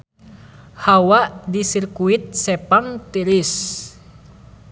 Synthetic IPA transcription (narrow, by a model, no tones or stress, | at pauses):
hawaʔdisirkuit̪̚sɛpaŋt̪iɾis